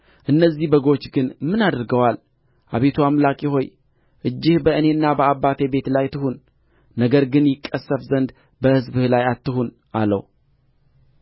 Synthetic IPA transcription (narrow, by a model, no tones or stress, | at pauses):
ʔɨnːəzːihbəɡo̞t͡ʃːɡɨnmɨnad̪ɾɡəwal | ʔaβe̞t̪ʰuamlakʼjɪɦo̞j | ʔɨd͡ʒːɪhbəʔɨne̞ɨnːabəabːat̪ʰebe̞t̪lajt̪ɨhunː | nəɡəɾɡɨnjɪkʼːəsːəfzənd̪ | bəhɨzbɨhlajat̪ːɨɦun | ʔa̰lə̰w